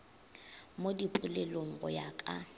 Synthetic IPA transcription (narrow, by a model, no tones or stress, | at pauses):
modipʼulɛloŋ̩ɣʊ̰jakʼa